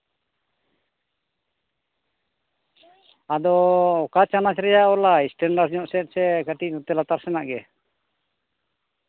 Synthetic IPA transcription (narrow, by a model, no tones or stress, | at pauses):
ad̪ɔːkat͡ʃanat͡ʃɾɛjaɔlaisʈɛɳɖaɾɲɔʔsɛsɛkəʈit̪ɔt̪ɛlat̪aɾsɛnaʔɡɛ